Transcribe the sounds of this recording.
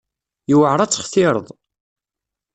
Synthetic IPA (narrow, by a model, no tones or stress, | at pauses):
iwəʕɾˤɑt͡sːə̥χθɪɾˤəðˤ